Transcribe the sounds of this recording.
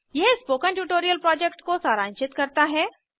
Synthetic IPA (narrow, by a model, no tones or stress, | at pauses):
jɛɦspoːkə̃nʈuːʈoːɾijəlpɾɔːd͡ʒɛkʈkosaːɾãːɲt͡ʃɪt̪kɐɾt̪aɦɛː